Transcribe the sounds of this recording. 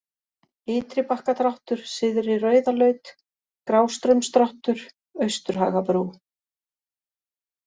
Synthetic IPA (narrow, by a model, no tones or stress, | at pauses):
ɪːt̪ɾɪpahkat̪ʰɾawht̪ʏɾ̥sɪːðʏɾirœːɥðalœɥt̪ | kɾaːwst̪ɾœɥmst̪ɾawht̪ʏɾ̥ | œɥst̪ʏɾ̥ɦa̰ːɣapɾuː